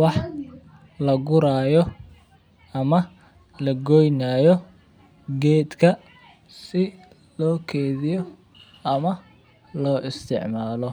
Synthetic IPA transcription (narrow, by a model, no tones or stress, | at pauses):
wɑħ | lɐɡʊɾaːjɔ | ɐmɐ | lɐɡɔjnaːjɔ | ɡɛːd̪kʰɐ | sɪ | lɔːkʰɛːðɪjɔ | ɐmɐ | lɔːʔɪst̪ʰɪ̰ʕmaːlɔ